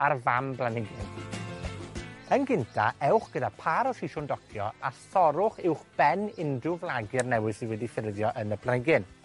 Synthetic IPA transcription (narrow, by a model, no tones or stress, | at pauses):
arvamblˠanɪɡɪn | ənɡɪntʰaɛwχɡ̥ədapʰaɾɔsɪʃʊndɔkʰjɔ̰asɔɾʊχɪwχb̥ɛnɪndrʊvlˠaɡɪrnɛwɨðsiwɛdifɪrðjɔʔənəbʰlaɪɡɪn